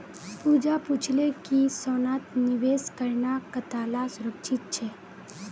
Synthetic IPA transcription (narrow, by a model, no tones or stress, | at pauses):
puːd͡ʒapuːt͡ʃʰlekisoːnaːt̪nɪʋeːskəɾnakət̪aːlasʊɾəkʃɪt̪̚t͡ʃʰɛː